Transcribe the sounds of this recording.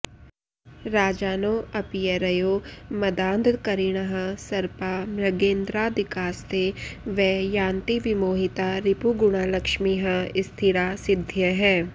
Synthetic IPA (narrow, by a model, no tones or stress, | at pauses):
ɾaːd͡ʒaːnoːɐpijəɾɐjoːmɐd̪ãːnd̪kɐɾiɽ̃əɦãsɐɾpaːmɾɐɡẽːnd̪ɾaːd̪ɪkaːst̪eʋɛjãːnt̪iʋɪmoːɦɪt̪aɾɪpuɡʊɽ̃alɐkʃmiɦãɪst̪ʰɪɾaːsɪd̪ʱjəɦɛ̃ː